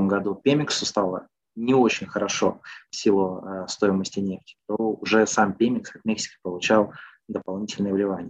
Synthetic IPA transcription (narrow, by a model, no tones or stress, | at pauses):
əmɡɐd̪upʲemʲɪksʊst̪alˠə̰ | nʲɪo̞t͡ɕɪnʲxəɾɐʂo̞fsʲilˠʊst̪o̞jɪməsʲtʲɪnʲe̞ftʲɪ̥t̪oʊʐɛsampʲemʲɪksat̪mʲeksʲɪ̥kʲɪ̥pəlˠʊt͡ɕalˠ | d̪əpɐlˠnʲitʲɪlʲnəjəvlʲɪvanʲɪjə